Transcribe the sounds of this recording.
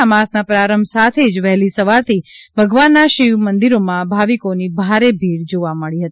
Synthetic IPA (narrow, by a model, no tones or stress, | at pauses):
amasnapɾaɾəmbʱsat̪ʰed͡ʒʋɛɦlisəʋaɾt̪ʰi | bʱəɡʋanːaʃiʋmənd̪iɾomãbʱaʋikonibʱaɾebʱiɽd͡ʒoʋaməɭiɦət̪i